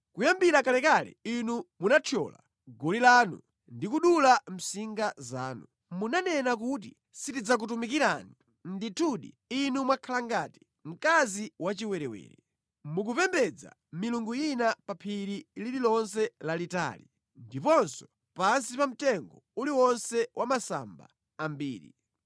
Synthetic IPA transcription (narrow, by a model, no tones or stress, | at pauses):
kujambiɾakalɛkalɛ̰inumunatʰɔ̰la̰ | ɡɔlilaːnṵ | ndikuɗulam̩siŋɡaza̰ːnu | munanɛnak̬ut̬i | sitid͡zak̬ut̬umik̬iɾani | nditʰuɗḭ | inumwakʰalaŋɡati̥ | m̩kaziwat͡ʃiwɛɾɛwɛ̰ːɾɛ | muk̬upɛmbɛd͡za̰ | miluŋɡujinapapʰiɾilililɔnsɛlalita̰ːli | ndipɔnsɔ̥ | pansipam̩tɛŋɡɔuliwɔnsɛwʔamasa̰mba̰ː | mbiːɾḭ